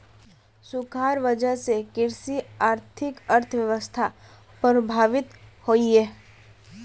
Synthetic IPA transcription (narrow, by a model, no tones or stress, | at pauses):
sʊkʰaːɾʋəd͡ʒəɦsekɪɾsiaːɾt̪ʰɪkəɾt̪ʰəʋjəʋəst̪ʰa | pɾbʱaːʋɪt̪hoːiɦɛː